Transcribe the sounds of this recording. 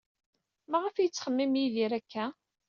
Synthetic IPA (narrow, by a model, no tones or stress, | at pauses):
mæʁəfjət͡sːχəmːimjiðiɾækːæ